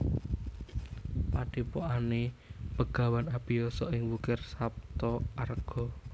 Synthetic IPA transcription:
paɖ̥i̤poʔanepəɡ̥a̤wanapijɔsɔʔɪŋwukɪrsap̚t̪ɔarɡ̥ɔ̤

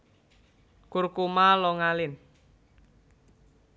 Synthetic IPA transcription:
kurkumalɔŋalɪn

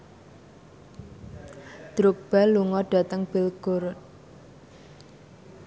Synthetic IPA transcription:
d̪̥ɾʊk̚b̥a̤luŋɔɖ̥a̤t̪əŋb̥ɪlɡ̥oɾʊt̪̚

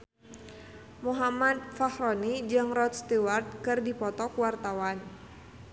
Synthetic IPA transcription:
muɦamat̪̚fahrɔnid͡ʒɨŋrɔt̪̚st̪iwart̪̚kɨrdipɔt̪ɔkwart̪awan

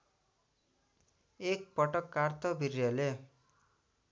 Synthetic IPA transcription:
ek̚pʌʈʌkːart̪ʰʌbʱirjʌle

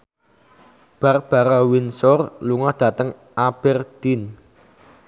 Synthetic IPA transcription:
b̥a̤rb̥a̤ɾawinsɔrluŋɔhd̪̥a̤t̪əŋ | ʔab̥ɛrd̪̥in

